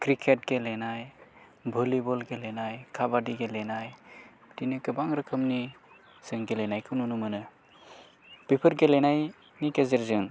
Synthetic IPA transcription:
kɾikʰet̚ɡelenaj | bʱɯlibɔlɡelenajkʰabadiɡelenaj | dinɯkɯbaŋɾɯkʰɯmni | z̥ɯŋɡelenajkʰɯnunumɯnɯ | pepʰɯɾɡelenaj | nikezeɾzɯŋ

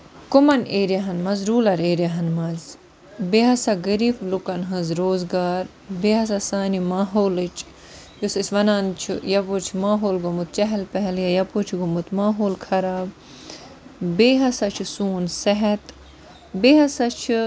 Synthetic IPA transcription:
kʊmɐneːɾʲjaɦɐnmɐzɾuːlɐɾeːɾjɐɦɐnmɐz | beɦɐsaɡɐɾiːflukɐnɦɐ̃zɾoːzɡaːɾ | beːɦɐsasaːnimaːɦoːlɨt͡ʃʰ | jusisʲʋɐnaːnt͡ʃʰujɐpot͡ʃʰmaːɦoːlɡomut̪̚t͡ʃɐɦɛlpɛɦɛljɐjɐpot͡ʃʰɡomut̪maːɦoːlkʰɐɾaːb | beːɦɐsɐt͡ʃʰisuːnsɛɦɛt̪ | beːɦɐsɐt͡ʃʰ

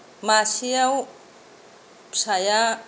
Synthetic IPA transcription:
masiaw | saja

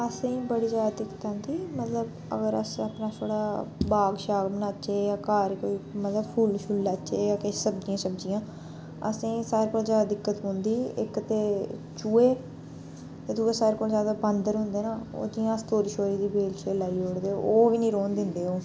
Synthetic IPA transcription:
əsẽːbəɽiːd͡ʒaːd̪ad̪ɪkt̪ãːnd̪iːmət̪ləb | ə̰ɡəɾə̰saːpnaːt̪ʰoːɽaːbaːɡʃaːɡbənaːt͡ʃeːjãːkaːɾkoːiːmət̪ləbpʰuːlʃʊlːat͡ʃeːjaːkɪsəbd͡ʒijãːsəbd͡ʒijãː | ə̰sẽːsaːɾeːkoːlzjaːd̪aːd̪ɪkːət̪ɦõːnd̪iːɪ̰kt̪eː | t͡ʃuːeː | t̪eːd̪uːesaːɾeːkoːlzjaːd̪aːbə̃ːnd̪əɾɦʊ̃nd̪eːnaːo̰ːd͡ʒ̪ijãːst̪oːɾʃoːɾiːd̪iːbeːlt͡ʃeːlaːiːoːɽd̪eːo̰oːʋiːnĩːɾoːnd̪ɪnd̪eːɦoː

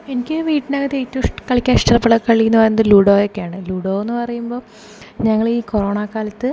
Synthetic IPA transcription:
e̞nikʲːɨʋiːʈːinaːɡɐt̪ːetːuʂʈkɐɭikʲːaːnʈɐrɐpːɐɭɐkɐɭːikːunːɨpɐjnːɐðɨluɽoːjokːejaːɳɨluːɽoːenːɨpɐrɐjumbo̞ː | ɲɐŋːɐɭiːkoroːɳaːkaːlɐt̪ːɨ

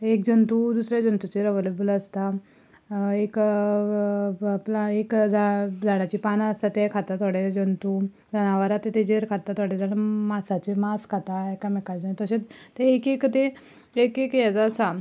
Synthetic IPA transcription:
ekd͡ʑənt̪ud̪usɾjad͡ʑənt̪ut͡ɕeɾəʋəlebuləst̪a | ek | plaekd͡zad͡zaɽ̃at͡ɕipanast̪at̪ekʰat̪at̪ɔɽed͡ʑənt̪u | d͡zañaʋaɾat̪et̪ed͡ʑeɾkʰat̪at̪aɽed͡zaɽəmasat͡ɕemaskʰat̪aekamekad͡ʑat̪əɕẽt̪eekekt̪e | ekekjɛd͡zəsa

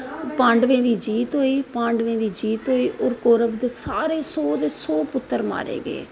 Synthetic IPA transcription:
pãːɳɖʋẽːd̪iːd͡ʒiːt̪ɦoːiːpãːɳɖʋẽːd̪iːd͡ʒiːt̪ɦoːiːʔoːɾkoːɾəbd̪eːsaːɾeːsoːd̪eːsoːpʊt̪ːəɾma̰ːɾḛːɡḛː

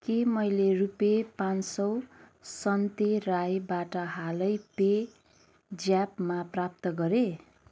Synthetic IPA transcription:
kemʌjlerupepãnsʌw | sʌnt̪erajbaʈʌɦalʌjpe | d͡zjapmaprap̚t̪ʌɡʌɾe

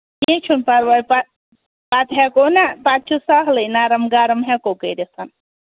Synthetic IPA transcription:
jẽt͡ʃʰunpaɾʋajpa | pat̪ɦɛkonapat̪̚t͡ʃʰusaɦlɨjnaːɾɐmɡaːɾɐmɦɛkokəɾesɐn

